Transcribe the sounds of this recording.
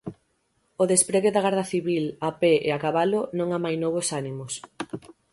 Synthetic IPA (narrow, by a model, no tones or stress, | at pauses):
oðespɾeɣeðaɣaɾðɐθiβilapeḛakaβalʊnõŋamajnoβosanimos